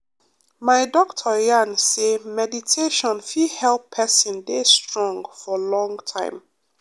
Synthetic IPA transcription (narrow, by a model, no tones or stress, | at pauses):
maɪdɔk̚tʰɔjansemɛditʰeʃɔ̃nfihɛlpʰːɛsĩndestɹɔ̃ŋɡfɔlɔ̃ŋtʰã̰ɪ̃m